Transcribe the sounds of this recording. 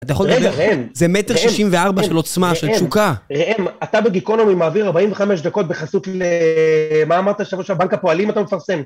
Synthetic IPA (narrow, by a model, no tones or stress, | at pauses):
at̪ajχoeʁemzemet̪eʁʃiimveaʁbaʃelo̞t͡smaʃelukaʁeʔemat̪abeɡikonomimaːviʁaʁbaimveχameʃd̪ako̞t̪̚beχasut̪le | maːmaʁt̪aʃavoʃabaŋkapo̞alimat̪amefaʁse̞m